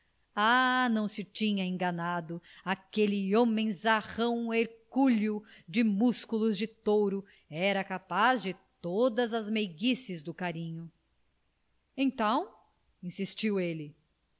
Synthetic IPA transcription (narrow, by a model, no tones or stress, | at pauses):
anɐ̃w̃sɪt͡ʃĩɲɐẽŋɡɐnad̪ʊakelɪõmẽzaʁɐ̃w̃eɾkuʎʊd͡ʒɪmuskulʊzd͡ʒɪt̪owɾʊ | ɛɾɐkapazd͡ʒɪt̪od̪ɐzɐzmeɡisɪzd̪ʊkaɾĩɲʊ | ẽt̪ɐ̃w̃ | ĩsist͡ʃiwelɪ